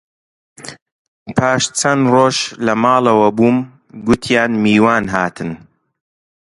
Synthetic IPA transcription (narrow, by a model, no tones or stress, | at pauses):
pʰaːʃt͡sʰɐnroːʃlɐmaːlɐwɐbuːm | ɡʊt̪ʰjaːnmiːwaːnɦaːt̪ʰɨn